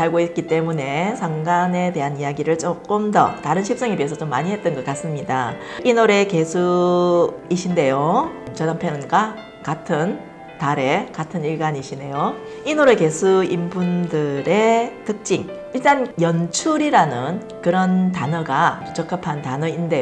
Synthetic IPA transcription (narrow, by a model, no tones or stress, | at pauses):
aɭɡoit̚k͈it͈e̞mune̞sʰaŋɡane̞te̞ɦanijaɡiɾɯɭt͡ɕ͈ok͈ɯmdʌ̰taɾɯnɕʰip̚s͈ʌŋebies̬ʰʌt͡ɕomːa̰ɲiɦe̞t̚t͈ʌnɡʌk͈as͈ɯmɲida | inoɾe̞ke̞sʰu | iɕʰinde̞jot͡ɕʌnampʰjʌnɯnɡa | katʰɯn | taɾe̞katʰɯniɭɡaɲiɕʰine̞jo | inoɾe̞ke̞sʰuimbundɯɾe̞tʰɯk̚t͡ɕ͈iŋ | iɭt͈anjʌnt͡ɕʰuɾiɾanɯn | kɯɾʌntanʌɡanut͡ɕʰʌkʰapʰantanʌinde̞